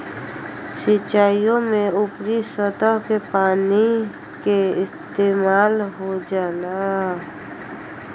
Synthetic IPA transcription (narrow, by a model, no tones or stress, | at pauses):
sɪt͡ʃaːjõmẽʊpɾisət̪əɦkepaːni | keɪst̪eːmaːlɦod͡ʒaːlaː